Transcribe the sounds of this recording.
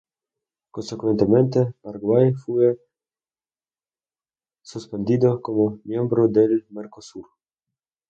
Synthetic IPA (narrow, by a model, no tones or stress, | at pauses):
konsekwent̪emẽnt̪epaɾɡwajfue | suspend̪iðokomomjembɾod̪elmeɾkosuɾ